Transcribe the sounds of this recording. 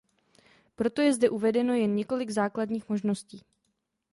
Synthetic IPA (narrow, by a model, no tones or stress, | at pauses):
pɾo̞t̪o̞jɛzdɛʔuvɛdɛno̞jɛnɲɛko̞lɪɡzaːkladɲiːxmo̞ʒno̞sciː